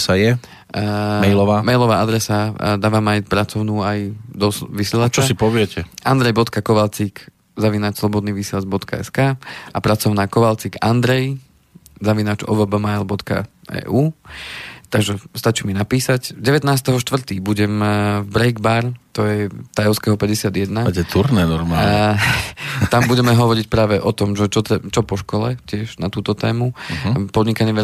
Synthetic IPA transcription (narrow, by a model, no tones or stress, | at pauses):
sajɛ | mɛjlɔʋaːmɛjlɔʋaːʔad̪ɾɛsad̪aːʋaːmajpɾat͡sɔʊnuːajd̪ɔsʋisɪɛlat͡ʃasipɔʋɪɛcɛʔand̪ɾɛjbɔt̪kakɔʋalt͡sik | zaʋinat͡ʃslɔbɔd̪niːʋisɪɛlad͡ʒbɔt̪ka̰ɛ̰skaːapɾat͡sɔʊnaːkɔʋalt͡sikand̪ɾɛj | zaʋinaːt͡ʃɔ̰ʋɛbamajlbɔt̪ka̰ | ɛ̰ːʔuː | t̪aɡʒɛst̪at͡ʃiminapiːsacɟɛʋɛt̪naːst̪ɛɦɔʃt̪ʋr̩t̪iːbuɟɛmvbɾɛjɡbaɾt̪ɔjɛt̪ajɔʊskɛɦɔpɛɟɛsɪad̪jɛd̪natɛt̪ʰuɾnɛnɔɾma | t̪ambuɟɛmɛɦɔʋɔɾic̚pɾaːʋɛʔɔt̪ɔmʒɛt͡ʃɔt̪ɛt͡ʃɔpɔʃkɔlɛcɪɛʒnat̪uːt̪ɔt̪ɛ̰ːmupɔd̪ɲikaɲɪɛʋɛ